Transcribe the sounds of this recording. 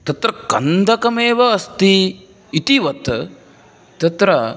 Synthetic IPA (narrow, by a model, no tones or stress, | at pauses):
t̪ɐt̪ɾɐkɐ̰nd̪ʱɐkɐmeːʋɐːst̪iː | t̪iʋɐt̪ | t̪ɐt̪ɾɐ